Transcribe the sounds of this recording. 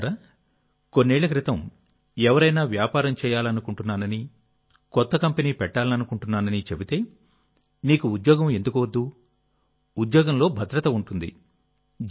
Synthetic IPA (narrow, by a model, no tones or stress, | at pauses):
ɾɐ | ko̞nːɛːɭɐk̬ɾit̪ɐm | ɛʋɐɾɐjnaːʋjaːpaːɾɐmt͡ʃɛːjaːlɐnukuɳʈunːaːnɐni | kɔt̪ːɐkɐmpeniːpɛʈːaːlɐnɐnukuɳʈunːaːnɐnit͡ʃebit̪e̞ː | niːkuud̪jɔːɡɐme̞nd̪ukuʋɐd̪ːu | ud̪jɔːɡɐmlo̞ːbʱɐd̪ɾɐt̪ɐuɳʈund̪ḭ